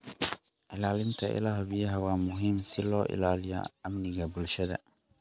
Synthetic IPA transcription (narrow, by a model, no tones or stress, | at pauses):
ʔɪlaːlɪnt̪ʰɐʔɪ̰laːɦbijɐɦɐwaːmʊɦiːmsɪlɔːʔɪ̰laːlɪjɐ̰ɐmnɪɣɐbʊlʃɐðɐ̰